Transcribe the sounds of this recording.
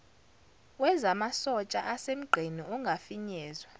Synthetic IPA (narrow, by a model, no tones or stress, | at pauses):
wɛzamasɔt͡ʃʼaʔasem̩ɡ͡ǃʱiniuŋɡʱafiɲɛːzwa